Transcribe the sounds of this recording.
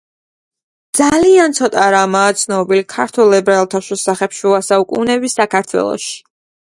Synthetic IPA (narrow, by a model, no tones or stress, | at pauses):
d̪z̥aliant̪sʰɔt̪ʼaɾamaːt̪sʰnɔbilikʰaɾt̪ʰulɛbɾɛlˠt̪ʰaʃusaχɛpʃuasaukʼṵnɛbisakʰaɾt̪ʰwɛ̰lˠɔ̰ʃi̥